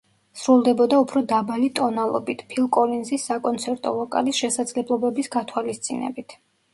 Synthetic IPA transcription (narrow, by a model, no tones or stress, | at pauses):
sɾulˠd̪ɛbɔd̪aupʰɾɔd̪abalit̪ʼɔnalˠɔ̰bit̪ʰpʰilˠkʼɔlinzisːakʼɔnt̪sʰɛɾt̪ʼɔ̰lˠɔkʼa̰lisʃɛsad̪zlɛblˠɔbɛbisɡat̪ʰwalist̪sʼḭnɛ̰bit̪ʰ